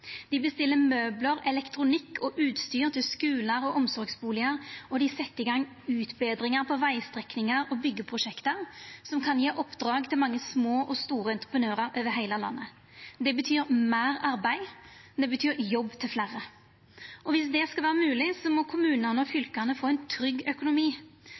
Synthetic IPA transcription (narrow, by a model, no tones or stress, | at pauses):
d̪ɪbəst̪ɪlːəmøːbləɾɛlɛkt̪ɾʊnɪkʰːɔʔʉːt̪st̪yːɾt̪ʰɪlskʉːləɾɔʔɔmsɔɾɡsbuːlɪəɾɔd̪ɪsɛt̪ːɪɡɑŋː | ʉːt̪beːd̪ɾɪŋəɾpʰɔʋæɪst̪ʁɛknɪŋəɾɔbʏɡːəpʰɾʊʂɛkt̪əɾsɔmkʰɑnjeːʔɔpd̪ɾɑːɡt̪ʰɪlmɑŋːəsmoːʔɔst̪uːɾəɛnt̪ɾəpʰənøːɾəɾʔøːʋəɦæɪləlɑ̰nːə | d̪ɛbət̪ʰyːɾmæːɾɑɾbæɪd̪ɛbət̪ʰyːɾjɔbːt̪ʰɪlflæːʁə | ɔʋɪsd̪ɛskɑlʋæːɾəmʉːlɪsɔmɔkʰʊmʉːnənəɔfʏlkənəfoːɛnt̪ʰɾʏɡːœkʊnʊmiː